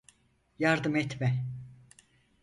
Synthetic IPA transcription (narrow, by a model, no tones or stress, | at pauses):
jaɾd̪ɯmɛt̪mɛ